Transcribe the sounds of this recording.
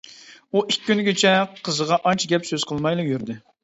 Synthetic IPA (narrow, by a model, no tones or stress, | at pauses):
uʔikʲːynɡʲet͡ʃʰɛqʰəzəʁɑʔɑnt͡ʃʰɪɡʲɛpsøz̥qʰəlˠmɑjlˠəjyɾd̪ɪ